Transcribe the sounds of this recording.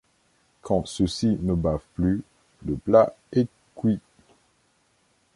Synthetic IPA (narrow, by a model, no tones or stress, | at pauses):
kʰɑ̃səsinəbavply | ləpla | ɛ | kwi